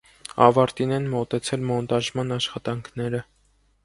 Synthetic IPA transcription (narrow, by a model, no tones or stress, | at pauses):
ɑvɑɾt̪inɛnmɔt̪ɛt͡sʰɛlmɔnt̪ɑʒmɑnɑʃχɑt̪ɑŋkʰnɛɾə